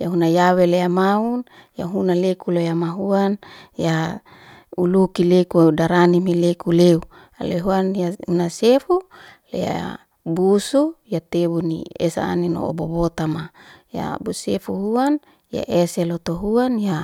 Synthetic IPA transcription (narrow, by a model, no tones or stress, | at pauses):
jaɦunajaweleamaun | jaɦunalekulojamaɦuanja | ulukilekuudaɾanimelekuleu | a̰leɦuanjahunasefulḛja̰ | busujat̪ebunḭḛsa̰nino̰ʔo̰bobot̪amaja̰busefuɦuan | ja̰ʔeselot̪oɦuanja